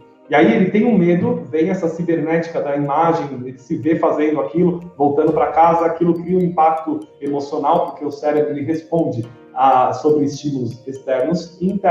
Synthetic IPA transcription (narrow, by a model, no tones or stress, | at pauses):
iaielɪt̪ẽj̃ʊ̃med̪ʊvẽj̃ɛsɐsibeɾnɛt͡ʃi̥kɐd̪ɐimaʒẽj̃elɪsɪvefazẽnd̪ʊakilʊvowt̪ɐ̃nd̪ʊpɾɐkazɐːkilʊkɾiɐũĩpak̚t̪ʊemosionawpʊɾkeʊsɛɾebɾʊelɪɦespõd͡ʒɪ | asobɾɪːst͡ʃimulʊsest̪ɛɾnʊsĩt̪